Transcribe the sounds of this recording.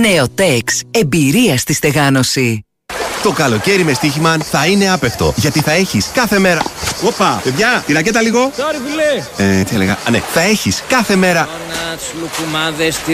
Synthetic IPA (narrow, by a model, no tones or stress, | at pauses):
ne̞ot̪e̞kse̞mbiɾiɐst̪ist̪e̞ɣɐno̞si | t̪o̞kɐlo̞ce̞ɾime̞st̪içimɐθɐine̞ɐpe̞kt̪o̞̰ʝɐt̪iθɐe̞çiskɐθe̞me̞ɾɐopɐve̞ðʝɐt̪iɾɐcet̪ɐliɣo̞toɾipuleet͡s̪ieleɣɐ̰ɐnḛθɐe̞çiskɐθe̞me̞ɾɐ | nɐt̪slukumɐðest̪i